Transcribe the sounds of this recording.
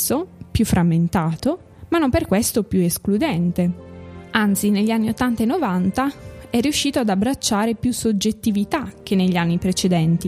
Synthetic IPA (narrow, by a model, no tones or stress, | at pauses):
opjufːɾamːent̪aːt̪o | manːomperkwest̪opjuesklud̪ɛnt̪e | ant̪sineʎːanːiot̪ːant̪aenːovant̪aɛrːiuʃːiːt̪oad̪abɾat͡ʃːaːɾepjusod͡ʒet̪ːivit̪ak̟ːenːeʎːianːipɾet͡ʃed̪ɛnt̪i